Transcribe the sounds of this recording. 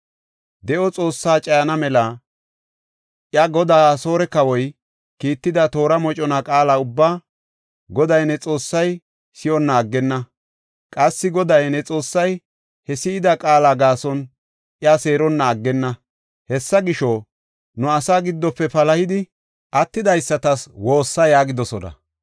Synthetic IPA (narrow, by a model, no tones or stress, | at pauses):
d̪ɛʔɔt͡sʼo̞ːsːaːt͡ʃʼɐjɐnɐmɛla | ʔjɐɡɔd̪aːso̞ːɾɛkɐwɔj | kiːt̪ːɪd̪ɐt̪o̞ːɾɐmɔt͡ʃʼɔnakʼaːlaːʊbːaː | ɡɔd̪ɐjnɛt͡sʼo̞ːsːɐj | sɪʔɔnːɐːɡːɛnːɐ | kʼɐsːɪɡɔd̪ɐjnɛt͡sʼo̞ːsːɐj | hɛsɪɪd̪ɐkʼaːlaːɡaːsɔn | ʔɪjase̞ːɾɔnːɐːɡːɛnːɐ | hɛsːɐɡɪʃɔ | nʊɐsaːɡɪd̪ːɔpːɛpɐlɐhɪd̪ɪ | ʔɐt̪ːɪd̪ɐjsːɐt̪ɐswo̞ːsːɐjaːɡɪd̪ɔsɔnɐ̰